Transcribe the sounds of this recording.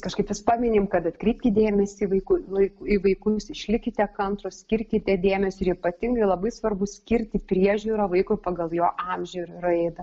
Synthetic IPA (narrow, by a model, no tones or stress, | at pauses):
kɐʃkɐɪpjʊspɑːmʲɪnʲeːmkɐt̪ɐt̪ʲkɾʲiɪːp̚ʲtʲɪd̪ʲeːmʲɛsʲɪʋɐɪkʊɐɪkʊiʋɐɪkʊsɪʃʲlʲɪkʲɪt̪ʲɛkɐnt̪ɾosʲkʲɪɾʲkʲɪt̪ʲɛd̪ʲeːmʲɛsʲʊɪɾipɐt̪ʲɪŋɡɐɪlˠɐbɐɪsʋɐrbʊsʲkʲɪɾʲt̪ʲɪpʲɾʲiɛʒʲuːɾɐʋɐɪkʊpɐɡɐlˠjoːʔɑmʲʒʲɛɾɾɐɛɪd̪ɐ